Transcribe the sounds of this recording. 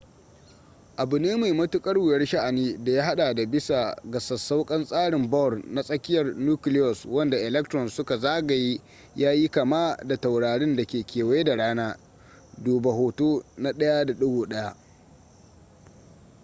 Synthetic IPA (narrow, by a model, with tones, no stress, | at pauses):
ʔa˨bʊ˨neː˦ma˨jmɐ˦tʊ˦kʼɐ˦rwʊ˨jɐ˦rʃa˦ʔa˨niː˦da˨jaː˦ɦa˦ɗaː˨da˨bɪ˦sa˨ɡɐ˨sɐ˨sːa˦wkʼɐ˦nsʼaː˦ɽɪ˨mbɔ˦˨rna˦sʼɐ˦kʲɪ˦jɐ˨rnuː˦kɪ˦lɪ˦jɔ˨swɐ˦nda˨ʔɪ˨lɛ˦k̚tɾɔ˨nsʊ˦ka˨zaː˦ɡa˨ji˦ | jaː˦ji˦ka˨maː˦da˨ta˨wɽaː˨ɽɪ˦nda˨kʲeː˨kʲeː˨weː˦da˨ɽaː˦naː˦ | duː˨ba˨ɦoː˨toː˦na˦ɗɐ˦ja˦da˨ɗʊ˦ɡoː˨ɗɐ˦ja˦ʔ